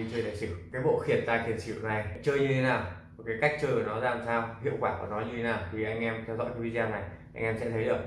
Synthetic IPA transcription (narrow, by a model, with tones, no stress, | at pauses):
t͡ɕəː˧jla̰ː˧˨jsɨ˧˩kaː˨˦jɓo̰˧˨xi˨˩ənt̪aː˧˩ki˨˩ənt͡ɕʰḭ˧˨wna˨˩jt͡ɕəː˧jɲɨ˧t̪ʰe˨˦naː˨˩w | kaː˨˦jka˦˥jk̚t͡ɕəː˧jkə˧˩nɔ˨˦za̰ː˧˨˩msaː˧whḭ˧˨əwkwaː˧˩ku˧˩nɔ˨˦ɲɨ˧t̪ʰe˨˦naː˨˩wt̪ʰi˨˩ʔa˧jŋ̟ʔɛ˧mt̪ʰɛ˧wzɔ̰˧˥kaː˨˦jvi˧zaː˧na˨˩jʔa˧jŋʔɛ˧msɛ̰˧˥t̪ʰə˨˦zɨ˨˩k̚